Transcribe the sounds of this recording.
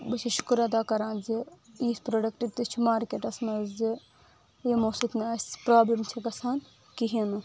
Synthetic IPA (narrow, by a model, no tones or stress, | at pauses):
bɨt͡ʃʰiʃu̥kɾɐd̪aːkɐɾãːnzi | iːspɾoːɖɐkʈit̪it͡ʃʰimaːɾkeːʈɐsnɐzzi | jemoːsut̪naːsʲpɾaːblɐmt͡ʃʰikɐsaːn | kiɦinɨ